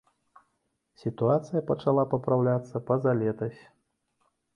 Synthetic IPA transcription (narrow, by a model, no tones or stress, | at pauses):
sʲit̪uat̪sɨjɐpɐt͡ʂalˠapɐpɾawlʲat̪sːɐpɐzalʲɛt̪ɐsʲ